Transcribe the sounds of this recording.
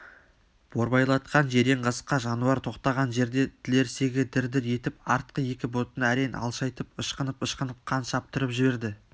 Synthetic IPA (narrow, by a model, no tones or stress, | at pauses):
b̥o̞ɾbɑjlˠɑt̪qʰɑnʒe̞ɾe̞ɴqɑsə̥qːɑʒɑnuɑɾt̪ʰo̞qt̪ɑʁɑnʒe̞ɾd̪e̞t̪ʰɪle̞ɾse̞ɡʲɪd̪ɪɾd̪ɪɾje̞t̪ɪpɑɾt̪̚qəje̞kʲɪbo̞t̪ənəæɾejnʔɑ̰lˠʃɑjt̪əp̚əʃqənəpəʃqənəp̚qʰɑnʃɑp̚t̪əɾəpʒɪbe̞ɾd̪ɪ